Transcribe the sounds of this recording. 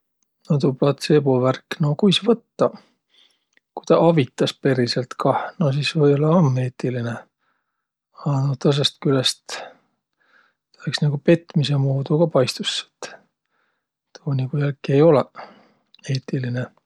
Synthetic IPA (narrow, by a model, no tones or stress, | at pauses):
not̪uplɑt̪se̞boværkːno̞kujsvɤt̪ːɑ | kujt̪ɑʔɑvit̪ːˑɑspe̞ɾise̞lt̪kɑno̞s̬isvɤjo̞leɑmːe̞ːt̪ːˑiline | ɑnot̪ɤs̬est̪kylest̪ | t̪ɑleksnɑɡ̥upe̞t̪ːˑmise̞muːd̪̥uɡ̥ɑpɑjst̪usːe̥t̪ː | t̪ʰoːniɡ̥ujælkːˑie̞jo̞le | e̞ːt̪ːiline